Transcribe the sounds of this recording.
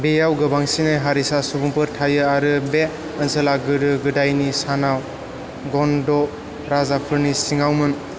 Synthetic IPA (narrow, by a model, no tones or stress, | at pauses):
bejawɡɯbaŋsinɯɦaɾisasubuŋpɯɾtʰajɯaɾɯbe | ənsɯlaɡɯɾɯɡɯdajnisanaw | ɡɔndɔ | ɾazapʰɯɾnisiŋawmɯn